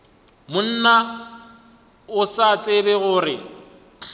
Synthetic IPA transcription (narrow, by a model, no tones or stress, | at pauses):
mʊn̩na | ʊsat͡sʼɪbɛɣʊːrɪ